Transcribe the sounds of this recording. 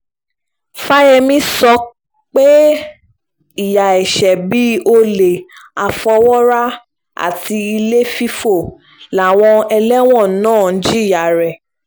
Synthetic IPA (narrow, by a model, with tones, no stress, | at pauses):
fa˦jɛ˧mĩ˦sɔ˧˦ | k͡pe˦ | i˦˨ja˨ɛ˨ʃɛ˨bi˨˦o˧le˨a˨fɔ˧wɔ˦ɾa˦ | a̰˦˨ti˧i˧le˦fi˦fo˦˨ | la˨w̃ɔ̃˧ɛ˧lɛ˦w̃ɔ̃˦˨˦nãː˦˨˦d͡ʒi˦i˦˨ja˨ɾɛ˨